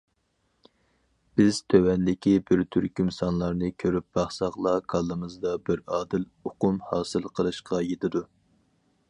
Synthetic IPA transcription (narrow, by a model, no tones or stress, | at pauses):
b̥ɪz̥t̪ʰøwɛnd̪ɪkʲibɪɾt̪ʰyɾkʲymsɑnlˠɑɾnɨkʲʰøɾyp̚b̥ɑχsɑχlˠɑkʰɑlˠːɨmɨzd̪ɑbɪɾɑːd̪ɪl | oqʊmhɑːsɨlˠqʰəlˠɨʃqɑjet̪ʰɪd̪u